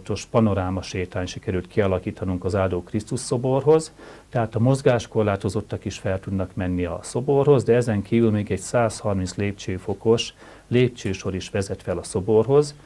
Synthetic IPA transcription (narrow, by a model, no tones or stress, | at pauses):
t̪o̞ʃpɒno̞ɾaːmɒʃeːt̪aːɲʃikɛɾylt̪kʰiɒlɒkiːt̪ɒnuŋkɒzaːd̪oːkrist̪uʃso̞bo̞rɦo̞zt̪ɛɦaːt̪ɒmo̞zɡaːʃko̞rlaːt̪o̞zo̞t̪ːɒkiʃfɛlt̪ud̪nɒkmɛnːiɒso̞borɦo̞zd̪ɛɛzɛŋkʰiːvylmeːɡɛɟsaːshɒrminsleːpt͡ʃøːfo̞ko̞ʃ | leːp̚t͡ʃøːʃo̞ɾiʃʋɛzɛt̪fɛlɒso̞bo̞rɦo̞z